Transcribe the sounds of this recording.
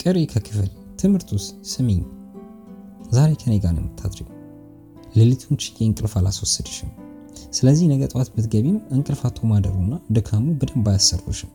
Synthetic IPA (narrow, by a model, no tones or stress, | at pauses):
kʼɨɾekʰəkʰɨfɨl | t̪ʰɨmhɨɾt̪ʰussɨmeɲ | zaɾe̞kʰəneɡanə̰mːɨt̪ʰːad̪ɾiɡ | lɨlɨt̪ʰunt͡ʃɪ̥jʼeɨŋkʼɨlfalaswɔsːəd̪ə̥ʃɪm | sɨləzːihnəɡət̪ʼwat̪bɨt̪ɡəβimɨŋkʼɨlfat̪ʰːomad̪əɾunːad̪ɨkʰamubɨd̪əmbajasːəɾɡʰoʃɪm